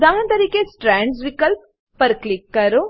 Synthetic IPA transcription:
d̪aːɦɐ̃nt̪ɐɾiːkesʈɾɛɳɖsʋikəlp̚ː | ɐɾklikːɐɾo

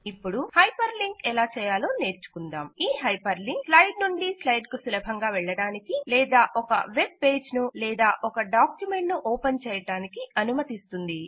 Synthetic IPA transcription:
ipːuɽuhɐjpɐɾliŋkɛlaːt͡ʃɛːjaːloːne̞ːɾt͡ʃu̥kund̪aːmiːɦɐjpɐɾliŋkslɐjɖnuɳɖislɐjɖkusulɐbʱɐŋɡaːʋɛɭːɐɽaːnikilɛːd̪aːʔɔkɐ̰ʋe̞b̚pe̞ːd͡ʒnulɛːd̪aːʔɔkɐɖaːkjume̞ɳʈnuʔɔːpɐnt͡ʃɛːjɐɽaːnikiɐnumɐt̪ist̪und̪i

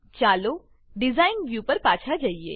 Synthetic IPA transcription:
t͡ʃaːloː | ɖɪzaːɪnʋjuːpɐɾpaːt͡ʃʰad͡ʒaːiḛː

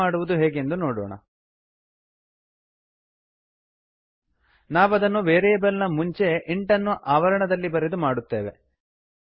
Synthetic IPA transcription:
aːɽuʋud̪uɦeːɡe̞nd̪unoːɽɔ̰ːɳɐ̰ | naːʋɐd̪ɐnːuʋeːɾɛbɐlnɐmuɲt͡ʃe̞ʔiɳʈɐnːuʔaːʋɐɾɐɳɐd̪ɐlːibɐɾed̪umaːɽut̪ːe̞ːʋe̞

